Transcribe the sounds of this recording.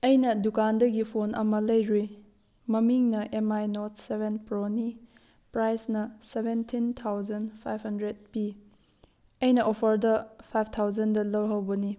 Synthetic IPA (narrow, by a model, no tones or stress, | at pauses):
ɐjnɐdukandɐɡipʰonʔɐmɐlɐjɾi | mɐmiŋnɐʔemajnot̚sebʱenpɾoni | pɾajsnɐsebʱentʰintʰawzɐnpʰajphɐndɾed̚pi | ɐjnɐʔopʰɐɾdɐpʰajp̚ʰtʰawzɐndɐlɐwɦɐwbɐni